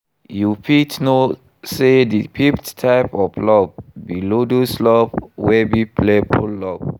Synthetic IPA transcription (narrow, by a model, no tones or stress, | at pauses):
jupitno | sedipʰipttʰaɪpɔflɔb̚biloduslɔp̚wɛbipʰlepʰɔllɔb̚